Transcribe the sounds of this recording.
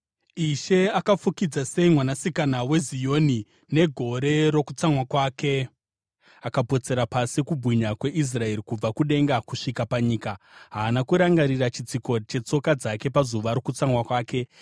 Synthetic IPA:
iʃe̞akafukid͡zase̞imwanasikanawe̞zijo̞ni | ne̞ɡʱo̞ɾe̞ɾo̞kut͡saŋwakwaːke̞ | akapo̞t͡se̞ɾapasikubʱiɲakwe̞ʔis̬rae̞ɾikub͡vakuɗe̞ŋɡakuʂikapaɲiːka | ɦaːnakuɾaŋɡaɾirat͡ʃit͡siko̞t͡ʃe̞t͡so̞kad͡zake̞pazuʋaɾo̞kut͡samwakwaːke̞

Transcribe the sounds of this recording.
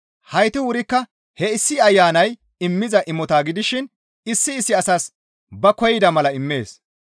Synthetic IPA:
hɐjt̪ɪwʊɾɪkːɐ | hɛɪsːɪɐjːaːnɐj | ɪmːɪzɐʔɪmɔt̪aːɡɪd̪ɪʃɪn | ɪsːɪːsːɪɐsas | bɐkɔjɪd̪ɐmɐlɐɪmːe̞ːs

